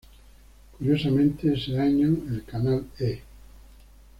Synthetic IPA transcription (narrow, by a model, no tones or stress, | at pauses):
kuɾjosamẽnt̪eeseaɲoelkanale